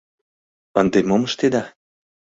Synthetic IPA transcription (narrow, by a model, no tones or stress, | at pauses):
ənd̪emoməʃt̪ed̪ɑ